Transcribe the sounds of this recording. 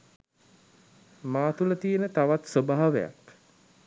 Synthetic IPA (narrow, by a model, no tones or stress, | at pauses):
maːt̪ulət̪ijenət̪aʋat̪sobaɦaʋeja̰k